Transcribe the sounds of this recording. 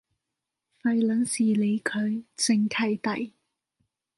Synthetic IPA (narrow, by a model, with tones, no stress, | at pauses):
fɐ˨˧jlɐ˨˥nsiː˨˩le˨˧jkʰɵ˨˧ɥt͡sɪ˨˧ŋkʰɐ˨˩jt̪ɐ˨˩j